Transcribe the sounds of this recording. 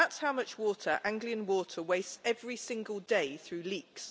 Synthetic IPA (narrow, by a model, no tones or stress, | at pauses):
atshaʊmʌt͡ʃwɔˑtʰəɹʔãŋɡliə̃nwɔˑtʰəweɪstɛvɹisɪ̃ŋɡəlˠdeɪθɹʉːliˑks